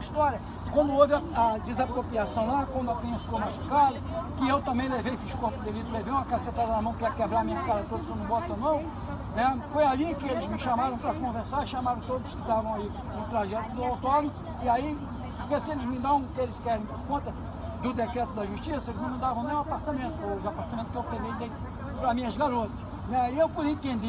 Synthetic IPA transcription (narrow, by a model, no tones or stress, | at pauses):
iʃt̪ɔɾjɐ | kwɐ̃nd̪ʊovɪɐɐd͡ʒɪzapɾopɾiasɐ̃w̃lakwɐ̃nd̪ʊakĩɲɐfi̥kowmaʃu̥kad̪ɐkɪewt̪ɐ̃mbẽj̃levejfiʃkõt̪ɐd̪elit̪ɾʊleveũw̃ɐkasẽt̪ad̪ɐnɐmɐ̃w̃kɛɾkebɾaɾmĩɲɐkazɐt̪od̪ʊsenɐ̃bɔt̪ɐnɐ̃w̃ | nɛfojalĩkɪelɪzmɪʃamaɾɐ̃w̃pɾɐkõveɾsaɾʃamaɾɐ̃w̃t̪od̪ʊzʊ̥skɪd̪avɐ̃w̃ai | nʊt̪ɾaʒɛt̪ʊd̪ʊawt̪ɔnomʊ | ɪai | poɾkesɪelɪzmɐ̃d̪aṽw̃ʊkɪelɪskɛɾẽj̃poɾkõnt̪ɐ | d̪ʊd̪ekɾɛt̪ʊd̪ɐʒuʃt͡ʃisɐelɪznmɪ̃m̃ɐ̃nd̪avɐ̃nẽj̃apaɾt̪amẽnt̪ʊoapaɾt̪amẽnt̪kewpẽd̪ẽjd̪ẽj̪ | pɾɐmĩɲɐzɡaɾot̪ɐ̥s | nɛiewpʊɾĩt̪ẽnd̪i